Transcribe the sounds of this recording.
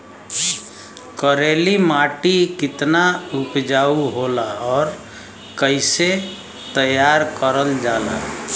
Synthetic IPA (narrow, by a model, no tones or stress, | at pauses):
kəɾelimaʈikɪt̪naupd͡ʒauɦolaɔːɾ | kəɪse | t̪əjaɾkəɾəld͡ʒaːla̰